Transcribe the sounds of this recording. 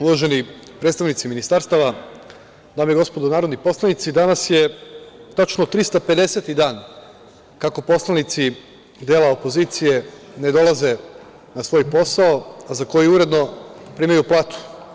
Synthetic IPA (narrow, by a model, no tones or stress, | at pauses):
uʋaʒe̞ni | pɾet̪st̪aʋnit̪siminist̪aɾst̪aʋa | d̪aːmeɡo̞spod̪onaːɾod̪nipo̞slˠanit̪sid̪anasje̞t̪at͡ʃnot̪ɾist̪ape̞d̪e̞se̞t̪id̪aːn | kako̞po̞slˠanit̪si | d̪eːlˠao̞po̞zit̪sije̞ne̞d̪o̞lˠaze̞ | nasʋo̞jpo̞sao̞azako̞jiuɾe̞d̪no̞pɾiːmajuplˠaːt̪u̥